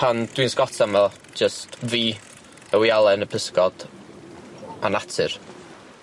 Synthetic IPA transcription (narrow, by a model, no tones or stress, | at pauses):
pʰand̥winskɔtʰamḁ | d͡ʒəstʰviː | əwjalˠɛnəpʰəskɔd̥ | anatʰɨr